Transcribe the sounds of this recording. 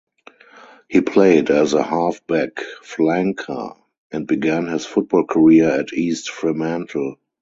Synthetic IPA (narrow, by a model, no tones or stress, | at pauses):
hiːpʰleɪdæzəhafb̥ækflæ̃ŋkʰə̰ | ʔɛ̃nt̚biɡæ̃nhɪsfʊt̚b̥ɔːlkʰəɹiəɛtʰiːstfɹimæ̃ntʰl̩